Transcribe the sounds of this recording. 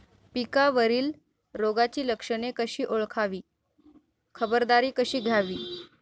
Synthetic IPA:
pikaʋəɾiːl | ɾoɡat͡ɕiːləkʂəɳekəɕiːʔoɭkʰaʋiː | kʰəbəɾd̪aɾiːkəɕiːɡʱjaʋiː

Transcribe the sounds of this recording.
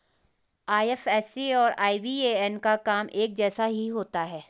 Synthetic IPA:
aːjɛfɛːsiɔːɾaːibieːɛnkakaːmʔeːk̚d͡ʒɛːsaɦiɦoːt̪aɦɛː

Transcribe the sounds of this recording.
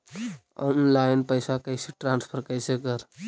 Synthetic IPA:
ɔnlajnpəjsakəjsiʈɾanspʰəɾkəjsekəɾ

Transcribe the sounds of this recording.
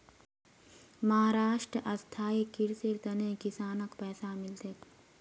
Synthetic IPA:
mɐɦaːɾaːʃʈɾəʔɐst̪ʰaːikɪɾseɾt̪ɐneːkɪsaːnəkpɛːsamɪlt̪et̪

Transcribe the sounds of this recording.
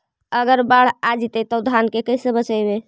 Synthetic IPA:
əɡəɾbaɽ̤ad͡ʒit̪ɛt̪ɔd̪ʱankekəjsə̃bət͡ʃəjbe

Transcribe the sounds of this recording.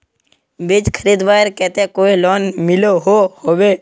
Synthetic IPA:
bɪd͡ʒkʰəɾiːd̪ʋaːɾkɛt̪ẽkoːilɔːnmɪloɦohoːʋeː

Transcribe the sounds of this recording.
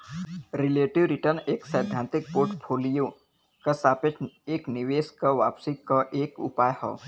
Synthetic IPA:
ɾɪleːʈɪʋɾɪʈəɾneːksɛːd̪ʱjãnt̪ɪk̚poːɾʈpʰoːlijo | kɐsaːpɪteːknɪʋeːskɐʋaːpsikaʔeːkʊ̰paːjho̰ː

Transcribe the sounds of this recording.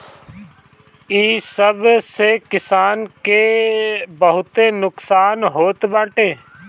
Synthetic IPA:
iːsəbsekɪsaːnke | bəɦʊt̪enʊksaːnɦoːt̪bãːʈeː

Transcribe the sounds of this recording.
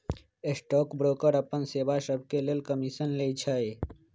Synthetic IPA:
esʈɔːkbɾoːkəɾəpənseːbaʃəb̚ʱkeleːlkəmiʃənlet͡ʃʰae

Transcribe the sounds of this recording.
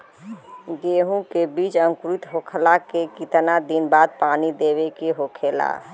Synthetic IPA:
ɡeːɦũkebiːt͡ʃə̃ŋkʊɾit̪ɦoːkʰəlakekit̪nad̪inbaːd̪̚paːnid̪eːwekeɦoːkʰeːla̰ː

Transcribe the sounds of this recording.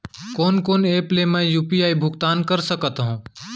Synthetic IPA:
kɔːnkoːneːplemɛ̃juːpiaːibʱʊɡt̪aːnkɐɾsɐkt̪ɦũː

